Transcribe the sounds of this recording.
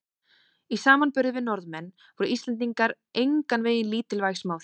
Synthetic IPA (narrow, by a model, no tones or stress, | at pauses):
isaːmanpʏɾðɪvɪnɔɾðmɛnː | vɔɾʏʔist̪lɛnt̪̬iŋkaɾ | ejŋkanveːjɪnliːt̪ɪlvajsmaːwθ